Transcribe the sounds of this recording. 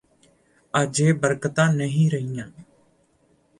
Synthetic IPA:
aːd͡ʒeːbəɾkt̪ãːnəɦĩːɾəɦijãː

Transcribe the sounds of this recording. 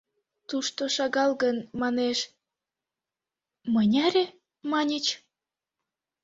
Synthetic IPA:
t̪uʃt̪oʃɑɣɑlɣənmɑneʃ | mənʲæɾʲe | mɑnʲət͡ɕ

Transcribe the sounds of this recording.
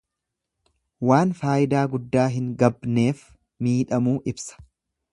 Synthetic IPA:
waːnfaːʔɪd̪aːɡʊd̪ːaːɦɪŋɡɐbne̞ːf | miːᶑɐmuːʔɪbsɐ̥

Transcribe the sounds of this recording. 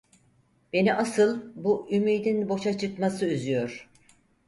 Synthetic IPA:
b̥e̞niʔasɯlˠbuʔymiːd̪inbo̞ʃat͡ʃʰɯkmasɯyzyjoɾ̥

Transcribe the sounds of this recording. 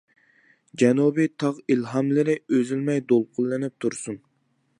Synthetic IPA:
d͡ʒɛnubit̪ʰɑʁilɦɑmlɪɾɪøzylmɛjd̪olˠqʰʊlˠːɪnɪp̚t̪ʰuɾsun

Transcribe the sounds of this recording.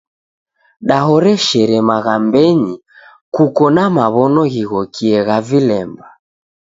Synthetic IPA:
ɗaɦɔɾɛʃɛɾɛmaɣambɛɲi | kukɔnamaβɔnɔɣiɣɔkiɛɣavilɛmba

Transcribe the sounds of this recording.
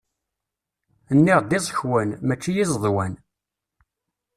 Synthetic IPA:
ənːiʁd̪izˤçwænmæt͡ʃːijizˤðˤwæn

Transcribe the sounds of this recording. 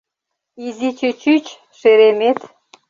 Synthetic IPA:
izit͡ɕøt͡ɕyt͡ɕ | ʃeɾemet̪

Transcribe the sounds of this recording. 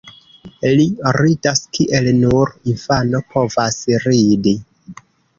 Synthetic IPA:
liɾidaskʰiʔelnuɾinfano̞pʰo̞vasɾidi

